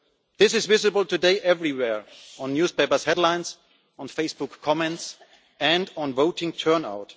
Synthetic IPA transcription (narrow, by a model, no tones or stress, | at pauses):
ðɪsɨzvɪzɨbəl̩ˠtɨdeɪʔɛvɹiwɛɹɔ̃nːjuːspeɪpə˞shɛdlãɪ̃ns | ɔ̃nfeɪsb̥ʊkʰːɔmɛ̃nts | ɛ̃ndɔ̃nvoʊtɪ̃ŋtʰɜ˞na̰ʊt